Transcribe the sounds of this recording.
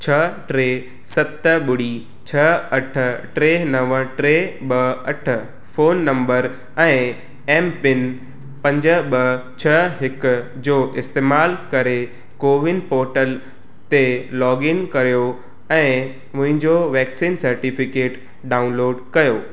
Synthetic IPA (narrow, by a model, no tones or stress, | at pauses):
t͡ɕʰɐʈɾeː | sɐt̪ɓʊɽi | t͡ɕʰɐɐʈʰʊ̆ʈɾeːnɐʋəʈɾeɓɐɐʈʰʊ̆ | foːnːɐ̃mbəɾ | ɛ̃ː | eːmpɪn | pɐ̃ɲd͡ʑə̆ɓɐt͡ɕʰɐɦɪk | d͡ʑoːʔɪst̪eːmaːlkɐɾe | koːʋɪnpɔːɾʈəl | t̪elɔːɡɪnkɐɾijo | ɛ̃ː | mʊ̃ɦɪ̃ɲd͡ʑoʋɛːksiːnsɐɾʈifɪkeːʈ | ɖaːʊnloːɖkɐjoː